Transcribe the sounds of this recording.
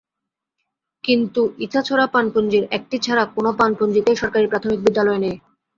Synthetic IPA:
kint̪uiat͡ɕʰoɾapanpond͡ʑiɾɛk̚ʈit͡ɕʰaɾakonopanpond͡ʑit̪eʃɔɾkaɾipɾat̪ʰomik̚bid̪ːalɔene

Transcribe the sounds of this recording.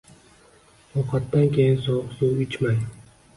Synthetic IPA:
ɒqʰɑt̪ːankʲʰejɪnsɒqsuwɪt͡ʃmaj

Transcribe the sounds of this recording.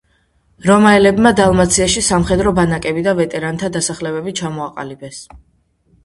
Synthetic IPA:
ɾɔmaɛlɛbmad̪alˠmat̪sʰiaʃisamχɛd̪ɾɔbanakʼɛbid̪avɛt̪ʼɛɾant̪ʰad̪asaχlɛβɛbit͡ʃʰamɔaqʼa̰libɛs

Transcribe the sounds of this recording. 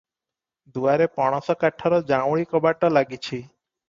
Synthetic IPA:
d̪uaɾepɔɽ̃ɔsɔkaʈʰːɔɾɔd͡ʑawɭikɔbaʈːɔlaɡit͡ɕʰi

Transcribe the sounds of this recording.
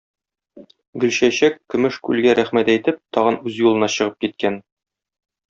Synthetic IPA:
ɡɵ̆lɕæɕækːɵ̆mɘʃkʉlɡæɾʔæχmæt̪æjt̪ɘp̚t̪ʰɒʁɤnʉzjulˠɤ̆nɑɕɤ̆ʁɤp̚kit̪̚kæn

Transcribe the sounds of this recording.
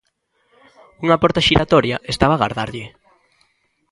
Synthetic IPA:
uŋapɔɾt̪aʃiɾat̪ɔɾjaʔest̪aβaɣa̰ɾðaɾʎɪ

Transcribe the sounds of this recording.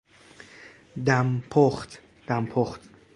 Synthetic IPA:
d̪æmpʰoχt̪ | d̪̥æmpʰoχt̪

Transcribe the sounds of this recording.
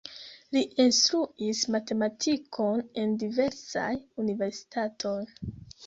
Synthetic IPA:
liinstɾuismate̞matʰikʰo̞ne̞ndive̞ɾsa̰junive̞ɾsi̥tatʰo̞j

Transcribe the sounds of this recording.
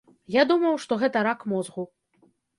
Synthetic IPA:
jad̪umɐwʂt̪ɔɣɛt̪ɐɾakmɔzɣu

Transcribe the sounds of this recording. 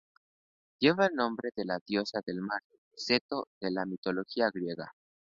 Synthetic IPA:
ɟ͡ʝje̞βaelnõ̞mbɾe̞ðe̞laðjo̞saðe̞lmaɾose̞t̪o̞ðe̞lamit̪o̞lo̞xiaɣɾje̞ɣa̰

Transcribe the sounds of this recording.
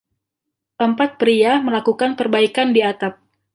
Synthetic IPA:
ʔəmpat̪̚pɾiaməlakukanpərbaikandiat̪ap̚

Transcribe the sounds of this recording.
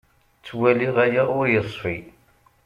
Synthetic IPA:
t͡sːwæliʁæjæʊɾjəsˤfi

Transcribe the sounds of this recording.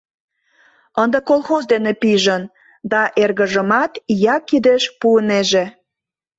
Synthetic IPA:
ənd̪əkolˠxozd̪enepiʒən | d̪ɑʔerɣəʒəmɑt̪jɑkːid̪eʃpuəneʒe

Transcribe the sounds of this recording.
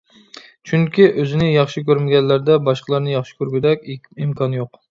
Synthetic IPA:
t͡ʃʰyŋkʲiʔøzɪnɪjɑχʃikʲøɾmɪɡʲɛnlːæɾd̪ɛbɑʃqʰəlˠɑɾnɨjɑχʃi̥kʲøɾɡʲyd̪ɛkʲ | imkʰɑnjoq

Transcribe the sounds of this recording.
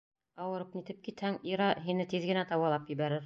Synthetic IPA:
ɑwɤ̆ɾɤp̚nit̪ɘp̚kit̪hæŋiɾɑɦinɘt̪iðɡɘ̆næt̪ɑwɑlˠɑpjɘ̆βæɾɘɾ

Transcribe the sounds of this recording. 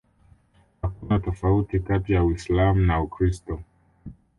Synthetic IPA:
hakunatɔfautikatijawislamunaukɾistɔ

